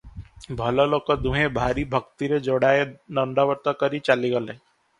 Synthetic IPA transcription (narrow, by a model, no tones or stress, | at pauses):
bʱəloloːkəd̪ũɦẽbʱaːɾibʱəkt̪iɾed͡ʒoːɽaːenəɳɖaʋəɾt̪akəɾit͡ʃaːliɡəle